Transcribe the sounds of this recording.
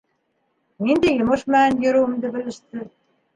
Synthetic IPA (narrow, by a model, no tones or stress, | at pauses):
nind̪æjŏmɤʃmænjɵ̆ɾuwɘ̆md̪ɘ̆bɘ̆lɘ̆ʃt̪ɘ